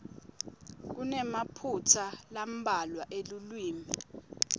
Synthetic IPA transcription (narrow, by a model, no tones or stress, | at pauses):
k̬unɛmapʰutʰalam̩ɓalwaʔelulwiːmɛ